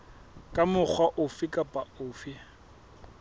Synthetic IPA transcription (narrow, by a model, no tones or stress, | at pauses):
kʼamʊk͡xʰwaʔʊfɪkʼapʼaʊːfɪ